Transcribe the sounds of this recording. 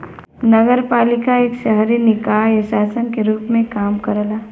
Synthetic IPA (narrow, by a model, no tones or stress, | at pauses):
nəɡəɾpaːlɪkaeːkʃəɦɾinɪkaːesaːsənkeɾuːpmẽkaːmkəɾəlaː